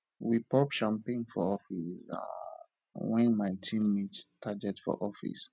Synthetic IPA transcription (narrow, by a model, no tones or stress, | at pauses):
wipɔpʃãmpẽnfɔɔfisa̰ | wɛ̃nmaɪtʰĩmːittʰaɡɛtfɔ̰ʔɔfḭs